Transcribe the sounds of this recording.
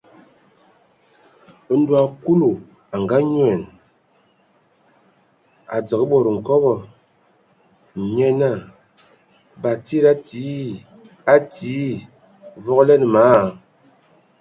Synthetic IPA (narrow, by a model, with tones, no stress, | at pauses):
n̩˦du˦˨a˨ku˦lu˨ | a˨ŋɡa˦ɲwɛ˨n | a˨d͡zə˨kə˦ɓɔ˨ɾə˨ŋ̩˨kɔ˦βɔ˦˨ | ɲɛ˦na˦˨ | ba˨ti˦ɾa˦ti˨˦ | a˦ti˨˦ | vɔ˦klɛ˦n˨maː˨˦˨